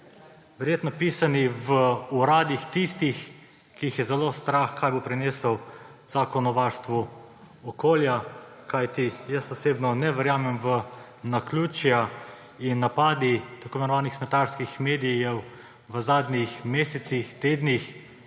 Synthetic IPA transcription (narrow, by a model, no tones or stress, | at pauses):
ʋɛɾjeːt̪nɔpiːsaniʋəuɾaːd̪ixt̪ist̪ix | kiixjɛzɛlost̪ɾaxkʰaːjbopɾɛneːsəwz̥akɔnɔʋaɾst̪ʋu | ɔkoːlja | kajt̪ijəst̪ɔseːbnɔnɛʋəɾjaːmɛmʋə | nakluːt͡ʃja | inːapaːd̪it̪akoːnɛnɔʋaːnixsmɛt̪aɾskixmeːd̪ijɛw | ʋəzaːd̪nʲixmeːsɛt̪sixt̪eːd̪nix